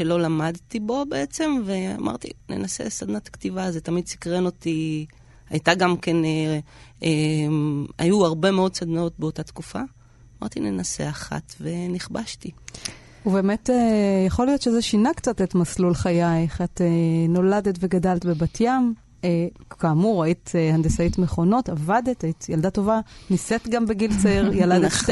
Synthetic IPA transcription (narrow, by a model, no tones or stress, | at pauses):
ʃelo̞lamad̪t̪ibo̞beet͡se̞mvea̰mʔa̰ʁt̪ḭnḛnasḛsad̪nat̪ḁkt̪ivazet̪amid̪̚si̥kʁeno̞t̪i | ha̰jt̪aɡamkenee | a̰juaʁbe̞meo̞dsad̪nao̞t̪̚beotat̪kufa̰ | ama̰ʁt̪inenase̞̰aχa̰t̪ve̞niχbaʃti | ube̞ːme̞tejaχo̞lijo̞tʃezeʃinakt͡satetmaslulχajajχateno̞lade̞tve̞ɡadaletbebatʰjam | ekaːmuʁait̪ehand̪esaitmeχo̞no̞tavadetait̪jaldato̞vanisetɡambeɡilt͡sʁjaladndet